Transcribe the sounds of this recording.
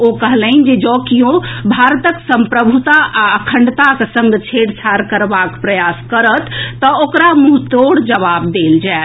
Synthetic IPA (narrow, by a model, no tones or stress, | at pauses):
okəɦlənd͡ʒed͡ʒɔkijõbʱaɾt̪əksəmpɾəbʱut̪aʔaəkʰəɳɖt̪aksəŋɡt͡ʃʰeɽsʰaɾkəɾbakpɾəjaskəɾət̪ːəokɾamuɦt̪oɽd͡ʒəʋabd̪eld͡ʒaet̪